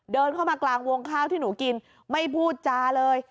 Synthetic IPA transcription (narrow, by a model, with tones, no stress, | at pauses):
dɤː˧nkʰa˥˩wmaː˧klaː˧ŋwo˧ŋkʰaː˥˩wt̪ʰiː˥˩nuː˩˦ki˧n | ma˥˩jpʰuː˥˩t̪̚t͡ɕaː˧lɤː˧j